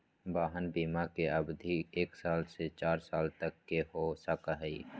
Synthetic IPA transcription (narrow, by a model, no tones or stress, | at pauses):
baːɦənbiːmakeɐbd̪ʱieːksaːlset͡ʃaːɾsaːlt̪ɐkːeɦosakaɦḭː